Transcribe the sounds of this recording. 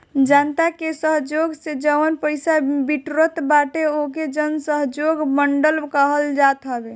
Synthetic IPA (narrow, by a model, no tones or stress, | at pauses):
d͡ʒant̪akesəɦd͡ʒoɡsed͡ʒəwənpəjsabiʈɾət̪baʈeoked͡ʒənsəɦd͡ʒoɡməɳɖəlkəɦəld͡ʒat̪ɦəbe